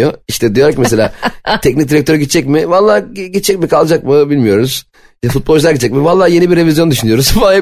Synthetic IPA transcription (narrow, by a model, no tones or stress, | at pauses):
oiʃt̪ʰɛd̪ijoɾakcmese̞lʲaːt̪ʰɛc̚nic̚d̪iɾɛk̚t̪ʰø̞ɾyɟit̪t͡ʃʰːɛc̚mɪvalˠːaːɟit̪t͡ʃʰːɛcmikʰalˠd͡ʒak̚mɯbilʲmijo̞ɾuz̥ | nɛfut̪̚bolˠt͡ʃʰʃlˠaɾɟitt͡ʃːd͡ʒɛcmivalˠːaːje̞nibiɾːe̞vʲizjond̪yʃynyjo̞ɾuzfa